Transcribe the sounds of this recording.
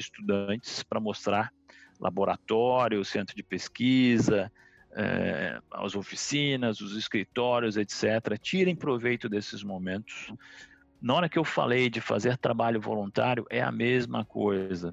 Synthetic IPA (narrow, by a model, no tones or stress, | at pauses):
ɪst̪ud̪ɐ̃nt͡ʃɪ̥spɾɐmost̪ɾaɾ | lʔa̰boɾa̰t̪ɔɾjʊːsẽt̪ɾʊd͡ʒɪpeskizɐ | ɛ̰a̰wzofi̥sĩnɐzʊzɪskɾit̪ɔɾjʊzet̪sɛt̪eɾɐt͡ʃiɾẽj̃pɾovejt̪ʊd̪esɪzmõmẽnt̪ʊ̥s | nɐɔɾɐkɪewfa̰lejd͡ʒɪfa̰zeɾt̪ɾabaʎʊvo̰lũnt̪aɾjʊʔɛɐ̰mezmɐkʰojzɐ